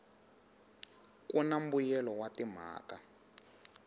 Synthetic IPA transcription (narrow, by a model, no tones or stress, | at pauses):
kunam̩bujɛlɔwatim̤a̰ːka